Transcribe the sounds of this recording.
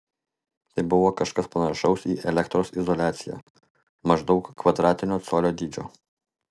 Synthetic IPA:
t̪ɐɪbʊʋoːkɐʃkɐspɐnɐʃɒʊsiːʔɛlʲɛkt̪ɾoːsɪzɔlʲæːt̪sʲɪjæ̰ | mɐʒd̪ɒʊkːʋɐd̪ɾɑːt̪ʲɪnʲoːt̪soːlʲoːd̪ʲiːd͡ʒʲo̰ː

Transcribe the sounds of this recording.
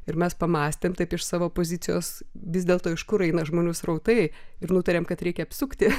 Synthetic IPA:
ɪɾmʲɛspɐmɑːsʲt̪ʲeːmt̪ɐɪpɪʃsɑːʋoːpoːzʲɪt͡s̪ʲɪjo̰ːsʋʲɪzʲdʲeːlˠt̪oːɪʃkʊɾɛɪnɐʒmoːnʲuːsrɐʊt̪ɐɪɪɾnuːt̪ɐɾʲeːmkɐt̪ɾʲɛɪkʲɛɐpʲsʲʊkt̪ʲɪ

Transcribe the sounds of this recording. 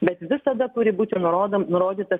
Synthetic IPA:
bʲɛt̪ʋʲɪsɐd̪ɐt̪ʊɾʲɪbuːt̪ʲɪnʊɾoːd̪ɐnʊɾoːd̪ʲiːt̪ɐ

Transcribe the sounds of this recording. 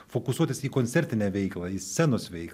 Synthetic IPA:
foːkʊsuɔt̪ʲɪsiːkonʲt̪ʲɛɾʲt̪ʲɪnʲɛːʋʲɛɪklˠɐiːsʲɛnoːsʋʲɛɪk

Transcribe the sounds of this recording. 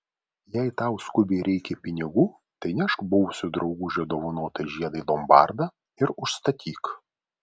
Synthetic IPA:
jɛɪt̪ɑˑʊskʊbʲeɾʲɛɪkʲɛpʲɪnʲɪɡuː | t̪ɐɪnʲɛʃkbʊwʊsʲʊd̪ɾɒʊɡʊʒʲɛd̪oːʋʊnoːt̪ɐʒʲiɛd̪ɐɪlˠɔmbɑ̰ˑɾd̪ɐ | ɪɾʊʃst̪ɐt̪ʲʰiːk

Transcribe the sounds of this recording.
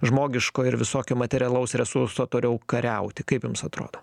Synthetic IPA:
ʒmoːɡʲɪʃkoːɪɾʋʲɪsoːkʲoːmɐt̪ʲɛɾʲɪɐlˠɐʊsɾʲɛsʊɾsoːt̪oːɾʲɛʊkɐɾʲɛʊt̪ʲɪkɐɪpjʊmsɐt̪ɾo̰ːd̪oː

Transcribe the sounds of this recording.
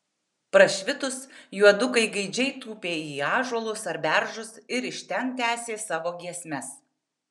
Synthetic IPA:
pɾɐʃʲʋʲɪt̪ʊsjuɔd̪ʊkɐɪɡɐɪd͡ʒʲɛɪt̪uːpʲeːiːɑːʒuɔlˠʊsɐɾʲbʲæˑɾʒʊsɪɾɪʃʲt̪ʲɛnt̪ʲæːsʲeːsɑːʋoːɡʲiɛsʲmʲɛs

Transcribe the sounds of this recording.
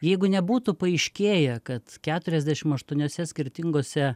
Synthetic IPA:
jɛɪɡʊnʲɛbuːt̪ʊpɐɪʃʲkʲeːjɛkɐt̪kʲæːt̪ʊɾʲɛzʲd̪ʲæːʃʲɪmɐʃt̪uɔnʲoːsʲɛsʲkʲɪɾʲt̪ʲɪŋɡoːsʲɛ

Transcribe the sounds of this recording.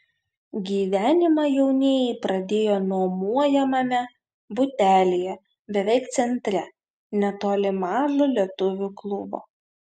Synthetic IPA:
ɡʲiːʋʲæːnʲɪmɑːjɛʊnʲeːjɛɪpɾɐd̪ʲeːjoːnɔːmuɔjɛmɐmʲɛ | bʊt̪ʲæːlʲejɛ | bʲɛʋʲɛɪkt̪sʲɛnʲt̪ʲɾʲɛ | nʲɛt̪oːlʲɪmɑːʒolʲiɛt̪ʊʋʲuklˠʊbo̰ː

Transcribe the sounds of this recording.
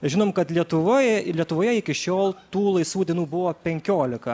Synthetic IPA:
ʒʲɪnoːmkɐt̪lʲiɛt̪ʊʋoːjlʲiɛt̪ʊʋoːjɛɪkʲɪʃʲoːlˠt̪uːlˠɐɪsʋuːd̪ʲɛnuːbʊʋoːpʲɛŋʲkʲoːlʲɪkɐ

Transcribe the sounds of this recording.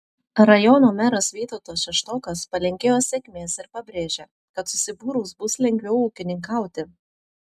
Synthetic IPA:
ɾɐjɔnoːmʲæɾɐsʋʲiːt̪oːt̪oːsʃʲɛʃt̪oːkɐspɐlʲɛŋʲkʲeːjoːsʲɛkʲmʲeːsɪɾpɐbʲɾʲeːʒʲe | kɐt̪sʊsʲɪbuːɾuːsbʊslʲɛŋʲɡʲʋʲɛʊuːkʲɪnʲɪŋkɑˑʊt̪ʲɪ

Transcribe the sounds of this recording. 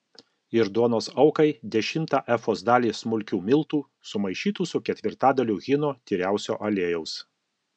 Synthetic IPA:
ɪɾd̪uɔnoːsɒʊkɐɪd̪ʲɛʃʲɪmt̪ɑˑʔɛfoːzd̪ɑːlʲiːsmʊlʲkʲuːmʲɪlˠt̪uː | sʊmɐɪʃʲiːt̪uːsʊkʲɛt̪ʲʋʲɪɾt̪ɑːd̪ɐlʲuːɣʲɪnoːt̪ʲiːɾʲæˑʊsʲo̰ːʔɐlʲeːjɛʊs

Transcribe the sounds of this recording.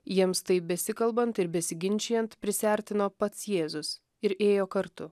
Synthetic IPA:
jiɛmst̪ɐɪpbʲɛsʲɪkɐlˠbɐnt̪ɪɾbʲɛsʲɪɡʲɪnʲt͡ʃʲɛjɛnt̪pʲɾʲɪsʲæˑɾʲt̪ʲɪnoːpɐt̪sjeːzʊs | ɪɾʔeːjoːkɐɾt̪ʊ

